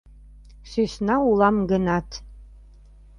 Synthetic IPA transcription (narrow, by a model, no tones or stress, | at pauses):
ʃyʃnɑulˠɑmɡə̆nɑt̪